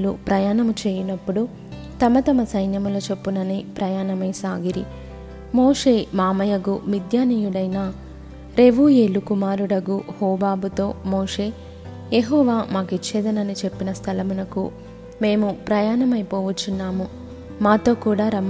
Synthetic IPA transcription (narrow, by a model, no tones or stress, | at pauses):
lṵpɾɐjaːnɐmut͡ʃeːjinɐpːuɽu | t̪ɐmɐt̪ɐmɐsɐjnjɐmuloːt͡ʃe̞pːunɐnipɾɐjaːnɐmɐjsaːɡiɾi | mo̞ːʂe̞ːmaːmɐjɐɡumid̪jaːnijuɽɐjnaː | ɾe̞ʋujeːlukumaːɾuɽɐɡuhɔːbaːbut̪o̞ːmoːʂe̞ː | jeɦɔːʋaːmaːkit͡ʃːɛːd̪ɐnɐnit͡ʃe̞pːinɐst̪ʰɐlɐmunɐkṵ | me̞ːmupɾɐjaːnɐmɐjpɔːʋɐt͡ʃːunːaːmu | maːt̪o̞ːkuːɽaːɾɐm